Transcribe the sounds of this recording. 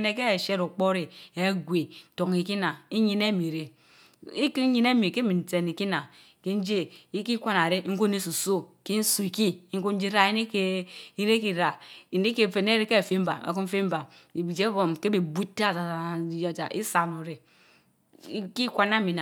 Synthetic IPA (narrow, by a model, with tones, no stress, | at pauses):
ne˨ke˦˨ʃe˦ɾu˨k͡po˦ɾi˨e˨˦ɡʷe˨to˨ŋi˨ki˦na˨i˦ɲi˦ne˦mi˨ɾe˦ | i˦ki˦ɲi˦ne˦mi˨ke˦mi˨n̩˨te˨ni˨ki˦na˨ | ke˦n̩˦d͡ʒe˦i˦ki˦kʷa˦na˨ɾe˦ŋ̩˦ko˦ne˦su˨so˦ke˦n̩˦su˨i˨ki˦ŋ̩˦ko˦n̩˦d͡ʒi˦ɾa˦i˦ne˦ke˦i˦ɾe˦ki˦ɾa˨i˨ne˦ke˦˨fe˨ne˦ɾe˦ke˦˨fe˦m̩˦ba̰˨ḛ˨ku˦m˦fe˦m̩˦ba˨ | i˨bi˨d͡ʒe˦bo˨mke˦be˨bu˦tːa˦˨d͡ʒa˨ja˨d͡ʒa̰˨ʔi˦sa˨no˨ɾe˨˦ | ki˦kʷa˦na˦mi˨na˨